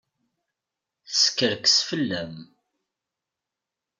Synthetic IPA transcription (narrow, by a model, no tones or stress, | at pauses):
θəskːəɾksfəlːæm